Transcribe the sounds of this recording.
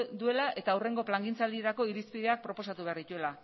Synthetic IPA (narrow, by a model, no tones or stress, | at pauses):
d̪ue̞laʔe̞t̪aːure̞ŋɡo̞plaŋɡint͡sald̪ie̞ɾako̞iɾispiðe̞ak̚pɾo̞po̞sat̪uβe̞aɾðit̪ue̞la